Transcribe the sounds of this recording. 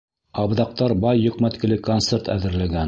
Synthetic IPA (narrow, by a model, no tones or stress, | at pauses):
ɑbðɑq̚t̪ɑɾbɑjːŏqmæt̪kɘ̆lɘkont̪seɾt̪æ̰ðɘ̆ɾlæɡæn